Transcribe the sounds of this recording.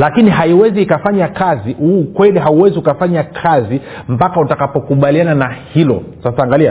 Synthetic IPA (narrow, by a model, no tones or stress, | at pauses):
lakiniɦaiwɛziːkafaɲakaziukwɛliɦauwɛziukafaɲakʰazi | mpakautakapɔkuɓaliananahilɔ̰sasaːŋɡalia